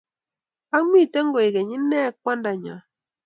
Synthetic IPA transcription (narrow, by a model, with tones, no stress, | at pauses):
a˦ŋi˦˨te˦ŋɡo˨e˨ɡɛ˨ɲi˦nɛ˦kwa˦nda˨ɲɔ̰˨